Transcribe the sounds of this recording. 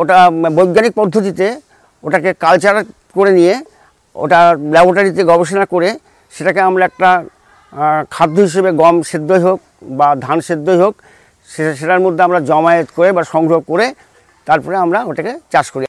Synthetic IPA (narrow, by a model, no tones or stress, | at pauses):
oʈabojɡːanik̚pɔd̪ʱːot̪̬it̪e | oʈakekalt͡ɕaɾa | koɾenije | o̰ʈalɛboɾʈaɾit̪eɡɔbeʃonakoɾe | ʃeʈakeamɾaɛk̚ʈa | kʰad̪ʱːoɦiʃ̬ebeɡɔmʃed̪ːojɦok̚bad̪ʱanʃed̪ːojɦok | eʃeʈaɾmod̪ʱːeamɾad͡ʑɔmaet̪koɾebaʃɔŋɡɾobkoɾe | t̪aɾpɔɾeamɾaoʈaket͡ɕaʃkoɾi